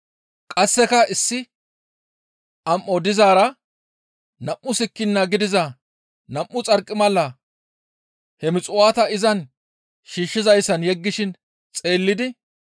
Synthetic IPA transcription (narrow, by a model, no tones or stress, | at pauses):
kʼɐsːɛkɐɪsːɪ | ʔɐmʔːɔd̪ɪzaːɾɐ | nɐmːʊsɪkːɪnːɐɡɪd̪ɪzɐ | nɐmːʊt͡sʼɐɾkʼːɪmɐlːɐ | hɛmɪt͡sʼʊwaːt̪ɐɪzɐn | ʃiːʃːɪzɐjsːɐnjɛɡːɪʃɪn | t͡sʼe̞ːlːɪd̪ɪ